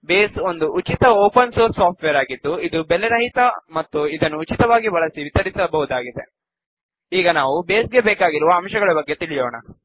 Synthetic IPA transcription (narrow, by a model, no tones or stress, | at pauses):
beːsond̪uʔut͡ʃit̪ɐoːpɐnsoːɾsːaːp̚ʰʈʋeɐɾaːɡid̪ːuid̪ubɛleɾɐɦit̪ɐmɐt̪ːuid̪ɐnːuːt͡ʃit̪ɐʋaːɡibɐɭɐsiʋit̪ɐɾisɐbɐɦud̪aːɡid̪e̞̰ | iːɡɐnaːʋubeːsɡe̞beːkaːɡiɾuʋɐːmʃɐɡɐɭɐbɐɡːe̞t̪iɭijoːɳɐ̰